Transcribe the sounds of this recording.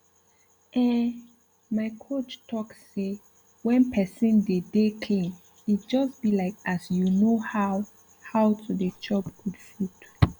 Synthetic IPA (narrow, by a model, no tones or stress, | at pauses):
ʔɛ | maɪkʰot͡ʃtʰɔksːe | wɛ̃npʰɛsĩndedekʰẽm | itd͡ʒɔsb̥ilaɪkasjunohaw | hawtʰudəd͡ʒɔpkud̥fut